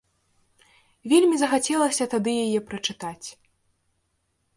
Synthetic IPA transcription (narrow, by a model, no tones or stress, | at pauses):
vʲelʲmʲizɐxat͡sʲɛlˠɐsʲɐt̪ad̪ɨjajɛpɾɐt͡ʂɨt̪at͡sʲ